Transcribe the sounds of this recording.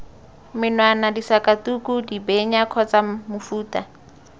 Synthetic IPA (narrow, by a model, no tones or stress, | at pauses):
mɪnwanadisakʼatukʼudibeɲakʰɔt͡samʊfuːtʼa